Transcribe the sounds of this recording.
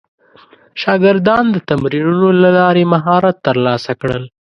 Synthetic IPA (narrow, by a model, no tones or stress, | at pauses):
ʃɑɡɪɾd̪ɑnd̪ət̪amɾiɾunolalɑɾemaɦɑɾat̪ːəɾlɑsakɽəl